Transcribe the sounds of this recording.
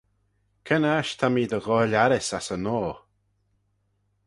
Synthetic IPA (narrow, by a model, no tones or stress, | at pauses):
kʰənaʃt̪ʰamiːd̪əɣɔːlaɾɪsasənɔː